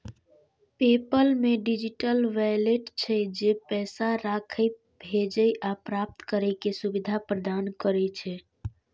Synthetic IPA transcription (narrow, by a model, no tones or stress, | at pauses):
pepəlmeɖid͡ʒiʈəlʋaleʈt͡ʃʰɛd͡ʒepɛːsaɾakʰəj | bʱed͡ʒəjʔapɾap̚t̪kəɾəjkesubid̪ʱapɾəd̪ankəɾɛt͡ʃʰɛ